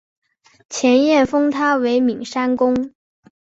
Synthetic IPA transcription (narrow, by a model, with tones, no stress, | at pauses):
t͡ɕʰjɛ˧˥njɛ˥˩nfɤ˥ŋt̪ʰa˥we˧˥ɪmi˨˩ŋʂa˥nkʊ˥ŋ